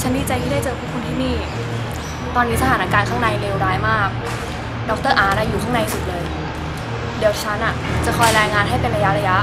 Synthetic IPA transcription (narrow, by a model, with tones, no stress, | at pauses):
t͡ɕʰa˦˥ndiː˧˩t͡ɕa˧jt̪ʰiː˥˩da˥˩t͡ɕɤː˧kʰɯː˦˥˩kʰu˧nt̪ʰiː˥˩niː˥˩ | t̪ɔː˧nːi˦˥sa˧aː˩˦naː˧kaː˨˩kʰaː˥˩ŋna˧jleː˧wɾaː˦˥jmaː˥˩k̚ | dɔ˦˥k̚t̪ɤː˥˩ʔaː˧˩na˦˥juː˨˩kʰaː˥˩ŋna˧jsu˨˩t̪̚lɤː˧j | di˨˩əwt͡ɕʰa˦˥nʔa˨˩t͡ɕa˨˩kʰɔː˧jɾɛː˧jŋaː˧nɦa˥˩jpe˧nɾa˧ja˦˥ɾa˧ja˦˥ʔ